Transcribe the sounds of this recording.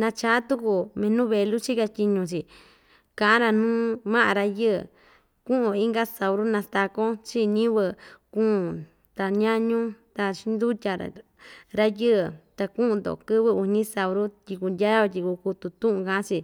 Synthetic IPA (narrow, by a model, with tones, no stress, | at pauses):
nã˧t͡ʃa˦t̪u˦ku˧mẽ˧nũ˦βe˧lu˦t͡ʃi˦ka˧t̪ʲi˧ɲũ˧t͡ʃi˨ | kã˨ʔã˦ɾa˧nũː˦mã˦ʔã˧ɾa˧jɨ̰˦˨ | kũ˦ʔũ˧˨i˦ŋɡa˦sa˨wɾu˦nã˧st̪a˧kõ˦t͡ʃi˦ɲĩ˦βɨ˧kũ˦˨ | t̪a˧ɲã˦ɲũ˦t̪a˧t͡ʃi˧˦nd̪u˦t̪ʲa̰˧ | ɾa˦jɨ˦˨t̪a˧kũ˦ũ˧nd̪o̰˨kɨ˦βɨ˦u˧ɲĩ˦sa˧wɾu˦t̪ʲi˧ku˧ndʲa˦a˧tʲi˧ku˧ku˧t̪u˧t̪ũ˦ʔũ˧˨kã˧˦t͡ʃi˧